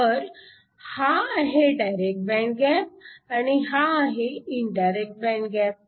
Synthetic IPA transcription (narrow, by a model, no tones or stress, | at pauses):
əɾ | haaɦeɖajɾek̚ʈ̚bɛ̃ɳk̚ɡɛp̚añiɦaːɦeiɳɖajɾek̚ʈ̚bɛ̃ɳɡɛp̚